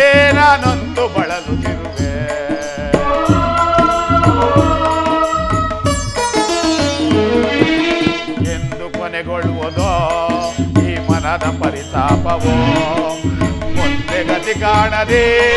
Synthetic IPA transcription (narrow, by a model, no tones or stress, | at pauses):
naːnond̪ubɐɭɐlut̪iɾud̪e | end̪ukɔnɛɡoɭːʋɔd̪oː | iːmɐnɐd̪ɐpɐɾisaːpɐʋɔ | nd̪eɡɐt̪ikaːɳɐɾi